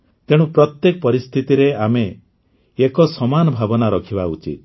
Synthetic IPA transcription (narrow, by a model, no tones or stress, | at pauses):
t̪eɽ̃ũpɾɔt̪jekɔpɔɾist̪ʰit̪iɾeameː | kɔsɔmanɔbʱabɔnaɾɔkʰibaut͡ʃḭt̪̚